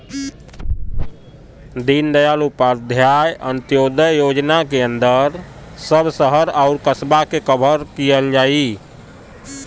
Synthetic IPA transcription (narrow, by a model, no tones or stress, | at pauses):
d̪ind̪əjalupad̪ʱjajənt̪jod̪əjod͡ʒnakeə̃nd̪əɾ | səbʱsəɦəɾaʊɾkəsbakekəbʱəɾkijəld͡ʒaːi